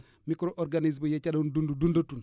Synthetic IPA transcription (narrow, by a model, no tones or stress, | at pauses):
mikɾoʔoɾɡaniz̬bojet͡ʃadondundudundotun